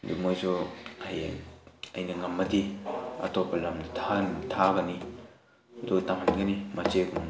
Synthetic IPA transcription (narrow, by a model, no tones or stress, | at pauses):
dukmojsɔaj | ɐjnɐŋɐmːɐdiɐ̰tʰopːɐlamdɐtʰantʰaɡɐni | dotaŋhanɡɐnimat͡ʃeɡum